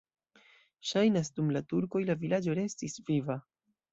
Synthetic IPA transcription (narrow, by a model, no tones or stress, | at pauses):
ʃajnasdumlatuɾko̞jlavilad͡ʒo̞ɾe̞stisviva